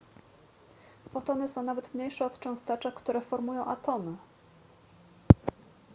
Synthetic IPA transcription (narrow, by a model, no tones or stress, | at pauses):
fɔt̪ɔnɘsɔ̃w̃navɛt̪mɲejʂɛɔt̪t͡ʂɔ̃w̃st̪ɛt͡ʂakt̪uɾɛfɔɾmujɔ̃w̃ʔat̪ɔnɘ